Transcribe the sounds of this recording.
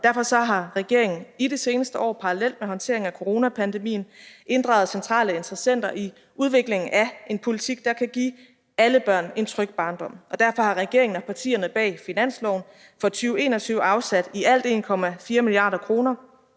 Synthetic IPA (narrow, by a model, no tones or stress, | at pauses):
d̥æɐfɒ̽sɒ̽ɦɑ̈ʁɛɡ̥e̝ɐeŋn̩iɾese̝ːnəsd̥əʔɒ̰ːpʰɑ̈ʁɑlel̰d̥̚meɦɒ̽nt͡sʰe̝ɐeŋækʰo̝ʁo̝ːnæpʰænd̥e̝mḭːn̩ʔe̝nd̥ʁɑ̈ʊð̩ˠsent͡sʰʁɑ̰̈ːləe̝nd̥ʁɐsen̰d̥ɐʔi | uð̞ˠʋe̝ɡ̥le̝ŋŋ̩æʔe̝npʰo̝lit͡sʰiɡ̥̚d̥ɑ̈kʰæɡ̥ḭː | æləb̥ɶɐ̰ne̝nt͡sʰʁœɡ̥̚b̥ɑ̈ːnd̥ɒ̽m̰ɒ̽d̥æɐfɒ̽hɑ̈ʁɛɡ̥e̝ɐe̝ŋn̩ɒpʰɑ̈t͡sʰḭːɐnəb̥ɛ̰ːfinæn̰slɒʊ̰n | fɒ̽t͡sʰyːʊe̝ːnɒt͡sʰyʊɑ̈ʊsæd̥iæl̰d̥e̝̰ːnkʰɒ̽mæfiːɐmiliɑ̰̈ːdɐkʰʁo̝ːnɐ